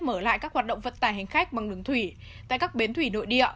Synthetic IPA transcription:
məː˧˩la̰ː˧˨jkaː˦˥khwaː˨˩t̚ɗə̰˧˨wŋ͡mvə̰˧˨nt̪aː˧˩jɦa˨˩ŋ̟xa˦˥jk̟̚ɓa˨˩ŋɗɨ˨˦əŋt̪ʰwi˧˩ | t̪a̰ː˧˨jkaː˦˥k̚ɓe˨˦nt̪ʰwi˧˩no̰˧˨jɗḭ˧˨ə

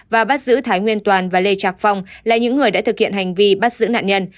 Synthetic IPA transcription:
vaː˨˩ɓaː˦˥t̚zɨ̰˧˥t̪ʰaː˨˦jŋwi˧ənt̪waː˨˩nvaː˨˩le˧t͡ɕaː˨˩k̚fa˧wŋ͡mlaː˨˩ɲɨ̰˧˥ŋːɨ˨˩əja̰ː˧˥t̪ɨ˨˩k̚hḭ˧ənha˨˩jŋ̟vi˧ɓaː˦˥t̚zɨ̰˧˥na̰ː˧˨nɲə˧n

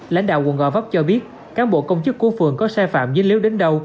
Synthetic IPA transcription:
la̰˧˥jŋ̟ɗa̰ː˧˨wɣw̰ənɣɔ̰˧˨˩va˦˥wk͡p̚t͡ɕɔ˧ɓi˦˥ət̚ | kaː˨˦nɓo̰˧˨kə˧wŋ͡mt͡ɕɨ˦˥kːu˧˦fɨ˨˩əŋkɔ˨˦saː˧fa̰ː˧˨mzi˨˦ləwɗe˨˦nɗə˧w

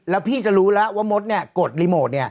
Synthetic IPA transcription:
lɛː˦˥wpʰiː˥˩t͡ɕa˨˩ɾuː˦˥lɛ˦˥waː˥˩mo˦˥t̪̚ni˥˩ɐko˨˩t̪̚liː˦˥moː˨˩t̪̚ni˥˩ə

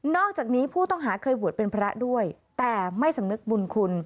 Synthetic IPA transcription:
nɔː˥˩k̚t͡ɕaː˨˩k̚niː˦˥pʰuː˥˩t̪ɔ˥˩ŋɦaː˩˦kʰɤː˧jbu˨˩ət̪̚pe˧npʰɾa˦˥du˥˩əj | t̪ɛː˨˩ma˥˩jsa˩˦mnɯ˦˥k̚bu˧nkʰu˧n

